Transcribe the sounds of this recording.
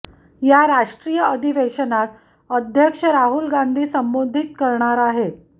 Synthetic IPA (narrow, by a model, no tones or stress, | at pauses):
jaɾaʂʈɾijəəd̪ʱiʋeɕənat̪ | əd̪ʱjəkʂəɾaɦulɡand̪ʱiːsəmbod̪ʱit̪̚kəɾɳaɾaɦet̪